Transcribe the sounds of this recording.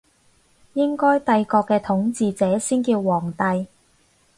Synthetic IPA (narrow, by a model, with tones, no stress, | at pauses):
jɪ˥ŋkɔː˥jt̪ɐ˧jkɔː˧kːɛː˧t̪ʰʊ˨˥ŋt͡siː˧t͡sɛː˨˥siː˥nkiː˧wːɔː˨˩ŋt̪ɐ˧j